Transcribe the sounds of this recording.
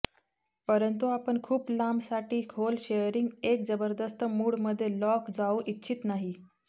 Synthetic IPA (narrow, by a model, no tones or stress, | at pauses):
pəɾənt̪uapəɳkʰuːplamsaʈiːkʰolɕejəɾiŋɡekd͡zəbəɾd̪əst̪əmuːɽməd̪ʱːjelɔkd͡zauʔitːɕʰit̪naɦi